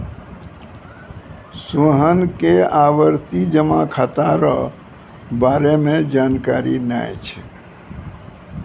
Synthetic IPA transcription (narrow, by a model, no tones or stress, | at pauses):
soɦənkeaʋəɾt̪id͡ʒəmakʰat̪aɾə̰ | baɾemẽd͡ʒankaɾina̰jt͡ʃʰɛ̰